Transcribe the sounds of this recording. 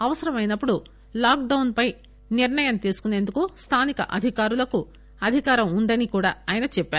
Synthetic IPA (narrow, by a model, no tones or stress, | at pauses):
ɐʋɐsɐɾɐmɐjnɐpːuɽu | laːk̚ɖɐwnpɐj | niɾɳɐjɐmt̪iːsu̥kune̞ːnd̪ukust̪ʰaːnikɐ̰ʔɐ̰d̪ʱikaːɾulɐku | ɐd̪ʱikaːɾɐmund̪ɐnikuːɽaːaːjnɐt͡ʃɛpːaː